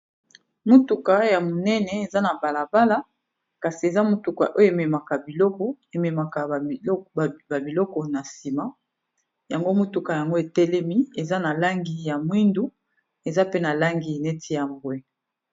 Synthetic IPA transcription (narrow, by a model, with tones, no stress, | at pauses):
mo˦tu˨ka˨ja˨mo˨nɛ˦nɛ˨e˨za˦na˨ba˨la˨ba˦la˦ | ka˨si˨e˨za˦mo˦tu˨ka̰˨ʔo˦jo˦e˨me˨ma˨ka˨bi˨lɔ˦kɔ˦ | e˨me˨ma˨ka˨˦˨ | ba˨bi˨lɔ˦kɔ˨na˨si˨ma˦ | ja˨ŋɡo˦mo˦tu˨ka˨ja˨ŋɡo˦e˨tɛ˦lɛ˦mi˦e˨za˦na˨la˦ŋɡi˨ja˨mwi˦ndu˦ | e˨za˦pe˦na˨la˦ŋɡi˨ne˦tʰi˦ja˨mbwɛ˦